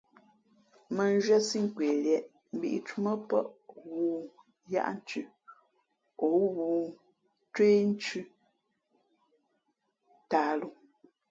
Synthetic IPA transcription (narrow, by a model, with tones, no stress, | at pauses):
mə˨n˦ʒɥɛ˦si˦ŋ˨kweː˨ljɛ˨ʔ | m̩˨bḭ˦˨ʔi˨t͡ʃu˦mə˦pə̰˦ʔwu˨ | ja̰˦ʔn̩˦t͡ʃʉ˦ | o˨˦ɣuː˨ | tweː˦n̩˦t͡ʃʉ˦ | taː˨˦lu˨